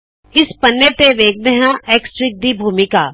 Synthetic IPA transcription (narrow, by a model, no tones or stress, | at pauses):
ɪspɐnːət̪eʋeːk̚d̪eɦãeːksʈɾɪk̚d̪ibʱuːmɪkaː